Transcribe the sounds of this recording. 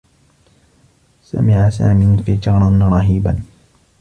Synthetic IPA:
sa̰mɪʕasa̰ːmɪfid͡ʒɑːɾˤɑnɾˤɑɦiːba̰n

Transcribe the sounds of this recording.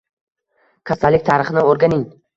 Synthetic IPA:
kʰasalːɪk̚ʲt̪ʰaɾɨχnɪoɾɡanɪŋ

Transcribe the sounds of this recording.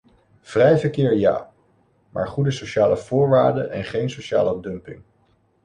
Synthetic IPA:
v̥rɛjvəɹkɪːɹja̰ː | ma̰ːɹχudəsowʃaːləv̥ʊːɹʋaːɹdə̰ɛnχejnsowʃa̰ːlədɵmpɪ̰ŋ

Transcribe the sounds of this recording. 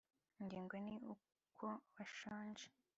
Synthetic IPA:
ɲɡiːŋɡoniu | kʰoβaʃaːnd͡ʒe

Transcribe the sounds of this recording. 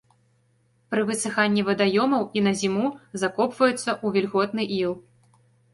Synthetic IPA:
pɾɨvɨsɨxanʲːivɐd̪ajɔmɐwinɐzʲimuzakɔpvɐjut̪sːɐʔuvʲilʲɣɔt̪nɨʔilˠ

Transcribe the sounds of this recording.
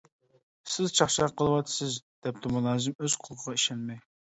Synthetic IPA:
sɪzt͡ʃʰɑχʃɑqʰːəlˠɨwɑt̪ʰːɪ̥sɪzd̪̥ɛp̚t̪ʰɪmulˠɑːzɪmøz̥qʰʊlˠqʰəʁɑiʃɛnmɪ

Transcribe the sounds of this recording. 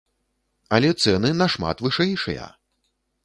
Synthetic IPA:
ɐlʲɛt̪sɛnɨnɐʂma̰t̪vɨʂɛjʂɐ̰jɐ̰

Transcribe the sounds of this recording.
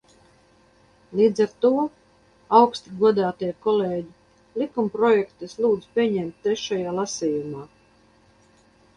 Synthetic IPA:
liːd̪zaɾt̪uɔ | awkst̪iɡuɔd̪aːt̪iɛkɔleːɟi | likumpɾɔjɛkt̪islˠuːd̪zpʲiɛɲɛmt̪̚ʲːeʃajaːlˠasiːjumaː

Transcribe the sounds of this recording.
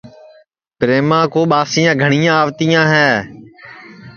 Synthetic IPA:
pɾeːmãːkoːɓaːsĩjãːɡʱəɳijãːaːʋt̪ijãːɦɛː

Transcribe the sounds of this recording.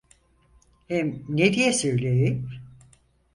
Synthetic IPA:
hɛmned̪ijɛsøjlʲejim

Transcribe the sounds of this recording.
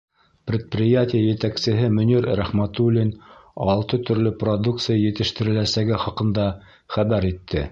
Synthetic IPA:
pɾʲɪt̪̚prʲɪjatʲɪjajɘ̆t̪æksɘ̆ɦɘmɵ̆nʲiɾɾæχmæt̪ulʲːinɑlˠt̪ɤt̪ɵ̆ɾlɵprod̪uk̚t̪sɨjajɘ̆t̪ɘ̆ʃt̪ɘ̆ɾɘ̆læsæɡɘχɑqɤ̆nd̪ɑ | χæβæɾit̪ʰːɘ

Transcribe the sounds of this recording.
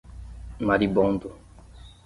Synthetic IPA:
maɾibɔnd̪o

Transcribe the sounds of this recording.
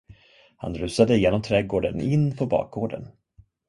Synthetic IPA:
ha̰nɾʉ̟ːsad̪əɪjeːnɔmt̪ʰɾɛːɡoːɖənɪnːpʰɔbɑ̰ːk̚ɡoːɖə̰n

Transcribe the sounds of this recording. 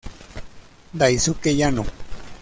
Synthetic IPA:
d̪ajsukejano

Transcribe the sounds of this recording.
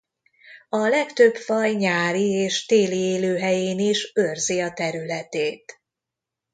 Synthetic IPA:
ɒlɛkt̪øbfɒjɲaːɾieːʃt̪eːlieːløːɦɛjeːniʃørziɒt̪ɛɾylɛt̪eːt̪

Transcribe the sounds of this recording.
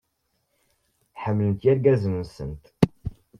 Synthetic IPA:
ħəmlənt̪jæɾɡæzəmənsə̰nt̪

